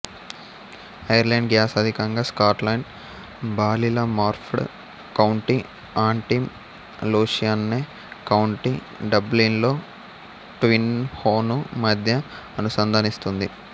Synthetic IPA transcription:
ɐjɐɾlɐjɳɖɡjaːsɐd̪ʱikɐŋɡaːskaːʈlɐjɳɖ | bʱaːlilɐmaːɾpʰɽ | kɐwɳʈi | aːɳʈim | luːʂijanneː | kɐwɳʈi | ɖɐblinlo̞ː | ʈʋinhoːnumɐd̪ʱjɐː | nusɐnd̪ʱɐnist̪und̪i

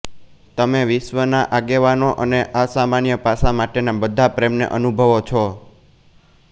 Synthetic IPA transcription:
t̪əmeʋɪʃʋənaʔaɡeʋanoʔəneʔasamanjəpasamaʈenabəd̪ʱapɾemnḛʔənubʱəʋot͡ʃʰɔ

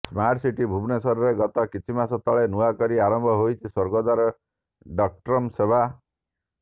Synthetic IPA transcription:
smaɾʈsiʈibʱubnesɔɾɔɾeɡɔt̪ɔkit͡ʃʰimasɔt̪ɔɭenuakɔɾiaɾɔmbʱɔɦojt͡ʃʰisoɾɡɔd̪aɾɔ | ɖɔk̚ʈɾɔmsebʱa

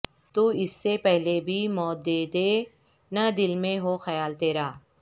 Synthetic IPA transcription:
t̪uːɪsːepɛɦlebʱimɔːt̪̚d̪eːd̪eː | nɐd̪ɪlmẽɦoxɐjaːlt̪eːɾaː

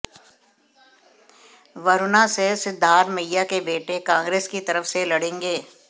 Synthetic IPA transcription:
ʋɐɾʊnasesɪd̪ʱːaːɾmɐjjakebeːʈekãːŋɡɾeːskit̪ɐɾəfselɐɽẽːŋɡeː

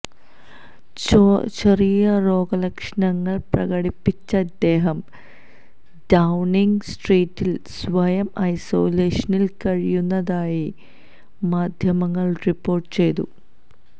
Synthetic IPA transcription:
t͡ɕɐrijɐro̞ːɡɐlɐkʂɐɳɐŋːɐɭprɐɣɐɽipːit͡ɕːɐːd̪ːe̞ːɦɐm | ɖɐwniŋɡsʈriːtːilsʋɐjɐmɐjso̞ːleːʂɐnilkɐɻijunːɐðaːji | maːd̪ʱjɐmɐŋːɐɭripːo̞ːrʈːɨ̥t͡ɕe̞jt̪u

